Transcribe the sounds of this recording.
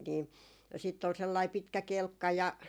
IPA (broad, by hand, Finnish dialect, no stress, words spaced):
ni siːtː ol selːɑi pitkæ kelkːɑ jɑ